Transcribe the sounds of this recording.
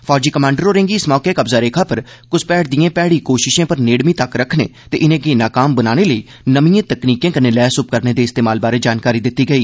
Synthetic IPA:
pʰɔːɾd͡ʒiːkəmãːɳɖəɾoːɾɪ̃ŋɡiːɪsmɔːkeːkəbzaːɾeːkʰaːpəɾ | kʊspɛːɽd̪ijẽːpɛːɽiːkoːʃɪʃẽːpəɾneːɽmĩːt̪əkɾəkʰnḛːt̪eːʔɪnẽːɡeːnaːkaːmbənaːneːləiː | nəmijẽːt̪əkniːkẽːkəneːlɛːsʊp̚kəɾneːd̪eːɪst̪eːmaːlbaːɾeːd͡ʒaːnkaːɾiːd̪ɪt̪ːiːɡəiː

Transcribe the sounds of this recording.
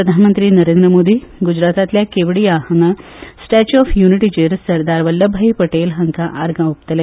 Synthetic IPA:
pɾəd̪ʱanmənt̪ɾiːnəɾẽnd̪ɾəmod̪iːɡud͡ʑɾat̪at̪ljakeʋɽijahəna | sʈæt͡ɕuɔfjuniʈid͡ʑeɾsəɾd̪aɾʋəlːəbʱaipəʈelɦəŋkaʔaɾɡãup̚t̪əlẽ

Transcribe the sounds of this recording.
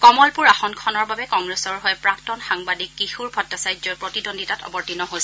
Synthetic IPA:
kɔmɔlpuɹaxɔnkʰɔnɔɹbabɛkɔŋɹɛsɔɹɦɔjpɹaktɔnxaŋbadikːixuɹbʱɔtːasajd͡ʒzɔpɹɔtidondʱitatɔ̰bɔɹtinɔɦojsɛ

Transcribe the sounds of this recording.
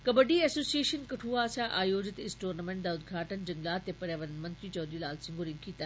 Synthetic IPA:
kɐbɐɖiːesoːsieːʃɐnkɐʈʰuːaːsaːʔaːjoːd͡ʑɪt̪ɪsʈoːɾnɐmẽɳʈ̚d̪aːʊd̪ɡʱaːʈənd͡ʒɐŋɡlaːt̪ːeːpɐɾjaːʋɐnmɐ̃nt̪ɾiːt͡ʃɔːd̪iːlaːlsɪ̃ŋɡuɾĩŋkʰiːt̪a

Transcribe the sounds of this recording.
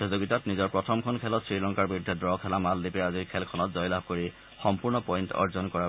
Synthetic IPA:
ɔzoɡitatnizɔɹpɹɔtʰɔmkʰɔnkʰɛlɔtsɹilɔŋkaɹbidʱːɛdɹɔkʰɛlamaldipɛaziɹkʰɛlkʰɔnɔtzɔjlab̚ʱkoɹi | xɔmpuɹnɔpɔjntɔ̰ɹzɔnkɔɹa

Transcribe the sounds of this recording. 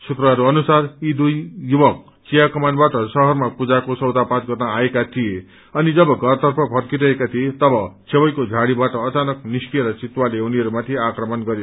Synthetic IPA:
sut̪rʌɦʌɾuʌnusarid̪ujjubʌk̚ | t͡sijakʌmanbaʈʌsʌɦʌrmapud͡zakosʌwd̪apãt͡sɡʱʌt̪naːekat̪ʰije | ʌnid͡zʌbʌɡʱʌrt̪ʌrpʰʌpʰʌrkiɾʌekat̪ʰiet̪ʌbʌt͡sʰebʌjkod͡zʱaɽibaʈʌːt͡sanʌkniskieɾʌt͡sit̪waleuniʌɾumat̪ʰiakrʌmʌnɡʌɾjo

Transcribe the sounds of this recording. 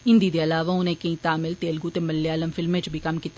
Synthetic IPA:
ɦɪ̃nd̪iːd̪eɐlaːʋaʊnẽkɐĩːt̪aːmɪlt̪eːlɡut̪emɐlːjaːləmfʰɪlmẽt͡ʃbʱikɐmkiːt̪

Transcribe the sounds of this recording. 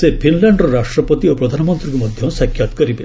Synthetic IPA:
sepʰinlaɳɖɾɔɾaʂʈɾɔpɔt̪iopɾɔd̪ʱanɔmɔnt̪ɾikumɔd̪ʱjɔsjakʰjat̪kɔɾibe

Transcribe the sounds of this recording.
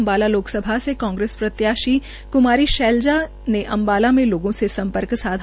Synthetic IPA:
mbaːlaloːksəbʱasekãːŋɡɾeːspɾɐt̪jaːʃi | kʊmaːɾiʃɛːld͡ʒa | neʔɐ̃mbaːlamẽloːɡõsesɐ̃mpəɾksaːd̪ʱ

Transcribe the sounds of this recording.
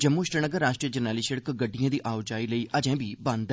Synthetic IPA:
d͡ʒəmːuːʃɾənəɡəɾːaːʃʈɾiːəd͡ʒənaːliːʃəɽəkɡəɖːijãːd̪iːʔaːʊd͡ʒaːiːləiːʔəd͡ʒɛ̃ːbiːbə̃nd̪

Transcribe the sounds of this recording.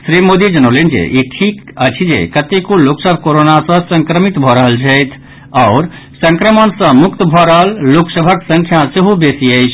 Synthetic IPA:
sɾimod̪id͡ʒənolend͡ʒḛʔeʈʰikət͡ʃʰid͡ʒḛkət̪ekoloksəbʱkoɾonasə̃sə̃ŋkɾəmit̪bʱɔɾəɦəlt͡ʃʰəɪt̪ʰ | ɔːɾ | sə̃ŋkɾəmənsə̃mukt̪bʱɔɾəɦəlːoksəbʱəksə̃ŋkʰjaseɦubesiəɪt͡ʃʰ

